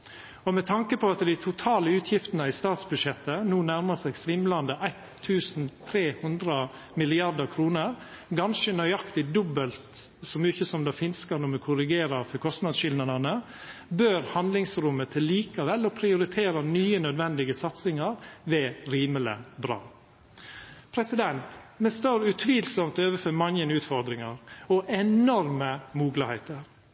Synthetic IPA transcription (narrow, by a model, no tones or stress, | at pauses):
ɔmɛt̪ʰɑŋkəpɔɑt̪d̪æɪt̪ʰʊt̪ʰɑːləʉːt̪ʰjɪft̪ənəɪst̪ɑːt̪sbʉʂɛt̪ːənuːnæɾmɑsæɪɡsʋɪmlɑnd̪əʔæɪt̪ʰːʉːsnt̪ʰɾeːhʉnd̪ɾə | mɪlɪɑɾd̪əɾkʰɾuːnəɾ | ɡɑnʃənœʏɑkt̪ɪd̪ɔbːəlt̪sɔmjʊɪçːəsɔmd̪ɑːfɪnskɑɾnɔmɛkʰʊɾɪɡeːɾɑɾfɔkʰɔst̪nɑd̪sʃɪlnɑd̪ɑnə | bøːɾhɑnd̪lɪŋsɾʊmːət̪ʰɪlːiːkɑʋɛlːɔpʰɾɪʊɾɪt̪ʰeːɾɑnyːənœd̪ʋɛnd̪ɪɡəsɑt̪sɪŋɑɾʋɛɾiːmələ̰bɾɑ̰ː | pʰɾɛsɪd̪ɛnt̪mɛst̪oːɾʉt̪ʰʋiːlsɔmt̪øːʋəfœmɑŋjənʉːt̪fɔɾd̪ɾɪŋɑɾɔʔɛnɔɾməmuːɡləhɛɪt̪əɾ